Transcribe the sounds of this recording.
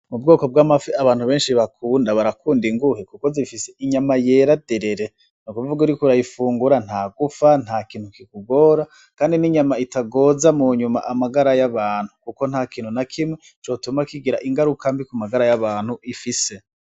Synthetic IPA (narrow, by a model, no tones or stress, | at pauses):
mub̚ɡoːko̞b̚ɡamafiaβaːn̥huβe̞ːnʃiβakʰuːndaβaɾakuːndiŋɡuhekuko̞zifiseʔiɲamaje̞ːɾadeɾe̞ɾe̞ | nukuvuɡuɾikuɾajifuːŋɡuɾan̥haːɡufanhaːkiːn̥hukikuɡo̞ːɾa | kaːndiniɲamaitaɡo̞ːzamuɲuma̰ʔamaɡaɾajaβaːn̥hukuko̞nhaːkiːn̥hunakʰimwe | t͡ʃo̞ːtumakiɡiɾa̰ʔiŋɡaɾukambikumaɡaɾajaβaːn̥huifise̞